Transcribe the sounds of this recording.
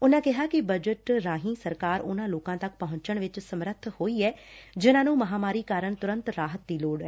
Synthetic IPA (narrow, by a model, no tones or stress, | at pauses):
ʊnãːkɪɦaːkɪbəd͡ʒəʈɾaːɦĩːsəɾkaːɾʊnãːloːkãːt̪ək̚pəɦʊ̃ɲt͡ʃəɳʋɪt͡ʃsəmɾət̪ʰhoːiːɛːd͡ʒɪnãːnũːməɦaːmaːɾiːkaːɾəɳt̪ʊɾə̃nt̪ɾaːɦət̪̚d̪iːloːɽɛː